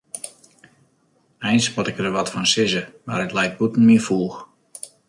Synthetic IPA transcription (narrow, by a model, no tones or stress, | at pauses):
ɛjnsmɔtɪkərəʋɔtfɔnsɪzəmaɾətlɛjk̚t̚butn̩mɪəfuːx